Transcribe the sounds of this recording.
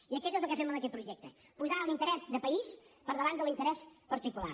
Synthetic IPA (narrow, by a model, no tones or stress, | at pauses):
iəkɛt̪ezəlˠkəfɛməməkɛt̪̚pɾuʒɛk̚t̪ə | puzalint̪əɾɛzðəpəispəɾðəβand̪əlˠint̪əɾɛspəɾt̪ikula̰